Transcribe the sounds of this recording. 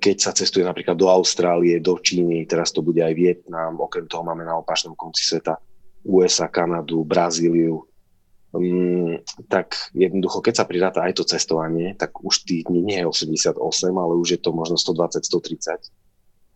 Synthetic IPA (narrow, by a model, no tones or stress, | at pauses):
kɛcsat͡sɛst̪ujɛnapɾiːklad̪ːɔaʊst̪ɾaːliɛd̪ɔt͡ʃiːnit̪ɛɾast̪ɔbuɟɛajʋɪjɛt̪̚naːmɔkɾɛmt̪ɔɦɔmaːmɛnaɔpaːt͡ʃnɔmkɔnt͡si̥sʋɛt̪auːɛzakanad̪ubɾaziːliu | t̪akjɛd̪̚nɔd̪uxɔkɛcsapɾiɾaːt̪aajt̪ɔt͡sɛst̪ɔʋaɲɪɛt̪aɡuʃt̪iːɣd̪ɲiɲɪɛjɛɔsɛmɟɛsɪad̪ɔ̰sɛmalɛuʒjɛt̪ɔmɔʒnɔst̪ɔd̪ʋat͡sacst̪ɔt̪ɾit͡sac